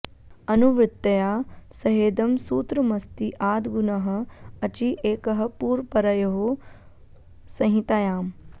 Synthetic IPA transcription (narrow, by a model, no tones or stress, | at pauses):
ɐnuʋɾɪt̪ːɐjaːsɐɦeːd̪ɐmsuːt̪ɾɐmɐst̪iʔaːd̪ɡunɐɦɐ̆ɐt͡ʃiʔeːkɐɦɐ̆puːɾpɐɾɐjɐɦo | sɐ̃ɦit̪ajaːm